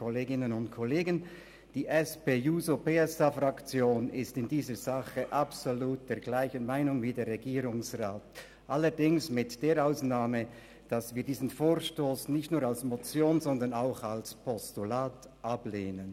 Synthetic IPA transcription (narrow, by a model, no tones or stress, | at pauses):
koleːɡɪnənʊntkʰɔleːɡən | d̥iːʔɛspeːjuːzopeːɛsafrakt͡sjoːnɪstɪndiːzəz̥aχəʔapsoluːt̚d̥eːɐɡlaɪçənmaɪnʊŋviːdeːɾʁːɛɡiːɾʊŋsraːt | ʔalːədɪŋsmɪtd̥eːɐɾaʊsnaːmə | d̥asv̥iːɐdiːzən̩foːʁʃtoːsnɪçtnuːɐʁalsmot͡sjoːnzɔndə̃naʊxalspʰɔstulaːt | ʔableːnən